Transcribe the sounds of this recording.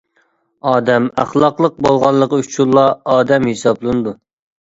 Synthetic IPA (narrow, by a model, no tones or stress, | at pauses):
ɑːd̪ɛmæ̰χlˠɑqlˠəq̚bolˠʁɑlˠːəqəyt͡ʃʰulˠːɑɑːd̪ɛmhesɑblˠɨnɨd̪u